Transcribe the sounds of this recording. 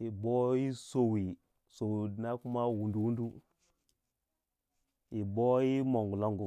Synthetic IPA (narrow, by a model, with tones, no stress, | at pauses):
i˨bo˦ji˦so˨wi˨ | so˨wi˨na˦ku˦ma˦wu˨ndu˨wu˦ndu˦ | i˨bo˦ji˦mo˨ŋɡu˨lo˦ŋɡu˨